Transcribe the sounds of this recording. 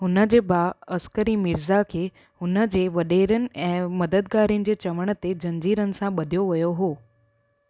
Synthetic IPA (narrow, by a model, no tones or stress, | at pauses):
ɦʊnəd͡ʑeːbaːəskəɾimɪɾzakʰeː | hʊnəd͡ʑeːʋəɗeɾənɪ̆ɛ̃ːməd̪əd̪̚ɡaːɾiənɪ̆d͡ʑeːt͡ɕɐʋəɽ̃ət̪ed͡ʑɐ̃ɲd͡ʑiːɾənɪ̆sãɓəd̪ʱjoʋɐjoɦoː